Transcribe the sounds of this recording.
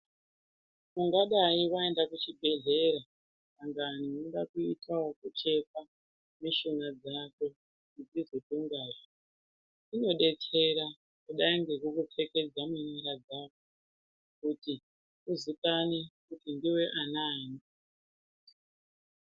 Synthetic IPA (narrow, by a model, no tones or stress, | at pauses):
muŋɡaɗaiwae̞ndakut͡ʃibʱe̞ɮe̞ɾa | aŋɡaninoɗakuitʰawokut͡ʃe̞ka | miʃonad͡zako̞ | id͡zizotuŋɡaːʐe | ino̞ɗe̞tʰe̞ɾa | kuɗaiŋɡekukup͡fe̞ke̞d͡zamuɲiɾad͡zako | kuti | uzikanekutindiwe̞ʔanaːni